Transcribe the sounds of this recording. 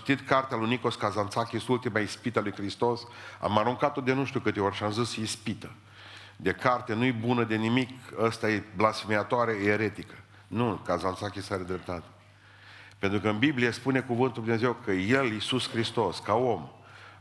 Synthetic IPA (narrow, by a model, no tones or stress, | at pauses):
t̪it̪kart̪ealujniko̞skazant̪sakʲisult̪imaispit̪alujkɾist̪o̞sa̰maɾuŋkat̪o̞d̪e̞nuʃt̪ʲiukɨt̪eo̞rʲʃiamzɨsəispit̪ə | d̪e̞kart̪enujebunəd̪e̞nimikəst̪ajeblasfemiat̪oaɾeeɾet̪ikə̥ | nukazant̪sakʲisaɾed̪ɾe̞p̚t̪at̪ | pent̪ɾukəɨnbiblijespune̞kuvɨnt̪uld̪mnezewkʰəje̞lisuskɾist̪o̞skao̞m